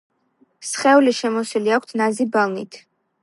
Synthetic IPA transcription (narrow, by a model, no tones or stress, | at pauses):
sχɛuliʃɛmɔswiliak̚ʷʰt̪ʰnazibalˠnḭt̪ʰ